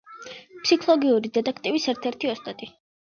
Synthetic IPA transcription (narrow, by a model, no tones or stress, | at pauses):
psikʰlˠɔɡiuɾid̪ɛd̪ʼakʰt̪ʼibisɛɾt̪ʰɛɾt̪ʰiɔst̪ʼat̪ʼi